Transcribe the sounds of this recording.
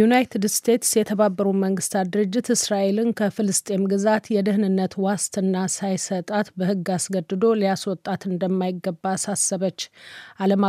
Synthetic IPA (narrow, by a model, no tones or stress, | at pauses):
unajt̪ʰɨd̪st̪ʰe̞t̪sjɛt̪ʰəβabːəɾuməŋɡɨst̪ʰad̪ɨɾɨd͡ʒːɪt̪ɨsɾaʔe̞lɨnkʰəfɨlɨst̪ʼe̞mɡɨzat̪jɛd̪ɨɦnɨnːət̪wast̪ʰʼɨnːasajsət̪ʼat̪bəhɨɡːasɡəd̪ːɨd̪o̞lijaswɔt̪ʼːat̪ɨnd̪əmːajɪɡːəbːaːsasːəβət͡ʃːʔaləma